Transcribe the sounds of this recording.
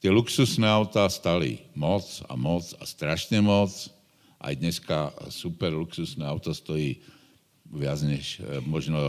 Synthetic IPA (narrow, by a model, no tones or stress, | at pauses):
t̪ɪɛluksusnɛaʊt̪aːst̪alḭmɔt͡sa̰mɔt͡sa̰st̪ɾaʃɲɛmɔt͡s | ʔa̰jd̪ɲɛskasupɛɾluksusnɛaʊt̪ɔst̪ɔjiː | ʋɪad͡zɲɛʃmɔʒnɔ